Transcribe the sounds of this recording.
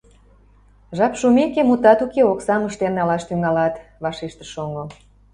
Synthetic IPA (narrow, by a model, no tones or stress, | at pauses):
ʒɑpʃumekemut̪ɑt̪ukeoksɑməʃt̪ennɑlɑʃt̪yŋɑlɑt̪ | βɑʃeʃt̪əʃoŋo